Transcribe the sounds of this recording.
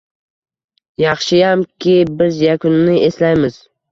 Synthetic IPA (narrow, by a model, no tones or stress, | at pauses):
jɑχʃɪjamkʲʰɪbɪzjakʰʊnːɪʔe̞slajmɪz̥